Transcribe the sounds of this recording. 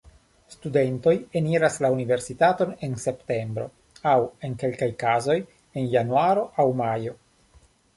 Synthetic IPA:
stude̞nto̞jeniɾaslaunive̞ɾsitato̞ne̞nse̞pte̞mbɾo̞̰ | awe̞nke̞lkajkazo̞j | e̞njanuaɾo̞ʔawmajo̞

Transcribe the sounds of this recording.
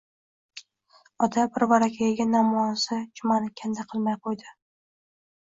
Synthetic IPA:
ɒt̪ʰabɪɾvaɾakʲʰajaɡʲanamɒnsɪd͡ʒʊmanɪkʲʰand̪aqʰɨlˠmajqʰojd̪ɪ

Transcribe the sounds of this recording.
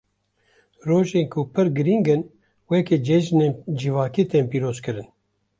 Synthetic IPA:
roːʒeːnkʰupʰɨɾɡɨɾiŋɡɨn | wɛked͡ʒɛd͡ʒnend͡ʒivaːkiːt̪eːmpiːɾoːzkɨɾɨn

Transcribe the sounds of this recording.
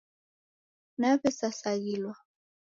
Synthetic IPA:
napɛsasaɣilwa

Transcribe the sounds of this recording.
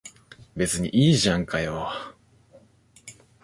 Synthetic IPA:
be̞t͡sɨɲ̟ḭʔiːʑãŋkajo

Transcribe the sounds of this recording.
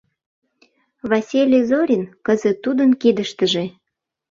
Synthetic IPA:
βasʲilʲizoɾʲinkəzət̪ːud̪ənkid̪əʃt̪əʒe

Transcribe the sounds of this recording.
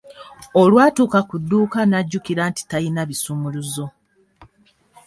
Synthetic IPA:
olwaːtuːkakudːuːkanaɟːukiɾaːnti̥tajinaβisumuluzo̞

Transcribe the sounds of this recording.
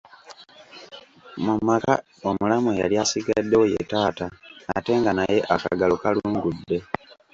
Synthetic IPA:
mumaka̰ | o̞mulamuja̰ljasiɡadːeoje̞̰taːta̰ːte̞ːŋɡanaje̞ʔaka̰ɡalokaluːŋɡudːe̞

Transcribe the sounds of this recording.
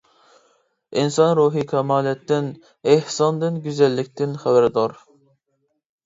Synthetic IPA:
insɑnɾuːɦikʲʰɛmɑːlɛt̪ʰːɪn | ehsɑnd̪ɨnɡʲyzɛlːɪk̚ʲt̪ʰɪnχæbæɾd̪ɑɾ

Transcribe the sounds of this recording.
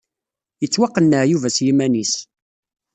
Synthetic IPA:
jət͡sːwɑqːənːəʕjuvæsjimænis

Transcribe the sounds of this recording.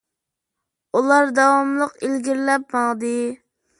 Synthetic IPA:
ulˠɑɾd̪ɑwɑmlˠəqilɡʲiɾlɛp̚mɑʁd̪ɨ

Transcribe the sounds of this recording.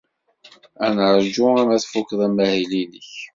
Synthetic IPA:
ænʕɾd͡ʒʊæmæθfukːðˤæmæhiliniç

